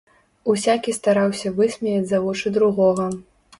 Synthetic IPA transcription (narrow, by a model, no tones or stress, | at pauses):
usʲakʲist̪aɾawsʲɐvɨsʲmʲɛjʲɐd͡zʲzavɔt͡ʂɨd̪ɾuɣɔɣɐ